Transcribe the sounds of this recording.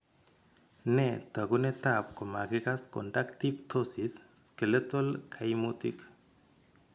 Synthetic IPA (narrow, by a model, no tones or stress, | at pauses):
net̪aɣunet̪ap̚komaɡekasko̰ndakt̪ipt̪ʰosisːkelet̪olkʰajmut̪ḭk